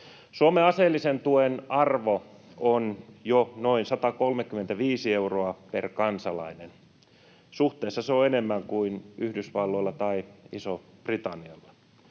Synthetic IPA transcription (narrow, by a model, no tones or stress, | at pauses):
suomeɑselːisent̪uenɑrʋo | onjonoinsɑt̪ɑkolmekːyment̪æʋiːsieuroɑperkɑnsɑlɑ̰inen | suht̪eˑːsːɑseoenemːæŋkuinyhdysʋɑlːoilːɑt̪ɑiisoprit̪ɑnːiɑlːɑ